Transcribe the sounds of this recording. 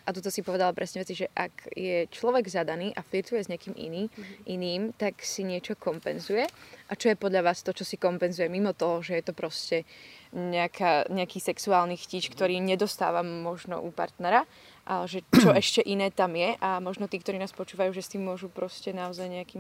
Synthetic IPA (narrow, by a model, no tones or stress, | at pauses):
ʔat̪ɔt̪̬ɔsipɔʋɛd̪alapɾʔɛsɲɛʋɛt͡siʒɛʔa̰kjɛt͡ʃlɔʋɛɡzad̪aniːʔaflit̪ujɛzɲɛakiːmḭniːʔiniːmt̪aksiɲɪɛt͡ʃɔkɔmpɛnzujɛʔat͡ʃɔjɛpɔd̪ʎaʋaːst̪ɔt͡ʃɔsikɔmpɛnzujɛmimɔt̪ɔɦɔʒɛjɛt̪ɔpɾɔscɛɲɛakʰaːɲɛakiːsɛksuaːlnixciːt͡ʃkt̪ɔɾiːɲɛd̪ɔst̪a̰ːʋamːɔʒnɔ̰ʔupa̰ɾt̪nɛɾa | ʔalɛʒɛt͡ʃɔʔɛʃcɛʔinɛːt̪amjɛʔamɔʒnɔt̪iːkt̪ɔɾiːnaːspɔt͡ʃuːʋajuːʒɛst̪iːmːʊɔʒupɾɔscɛnaɔzajɲɛakiːm